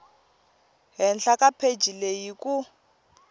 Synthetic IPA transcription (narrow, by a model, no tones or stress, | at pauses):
ɦɛnɬakapʰe̥d͡ʒilejiku